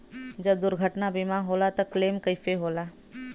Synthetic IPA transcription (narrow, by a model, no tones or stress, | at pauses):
d͡ʒɐb̚d̪ʊɾɡʱəʈnabimaɦoːlat̪ɐkleːmkəɪfeɦoːlaː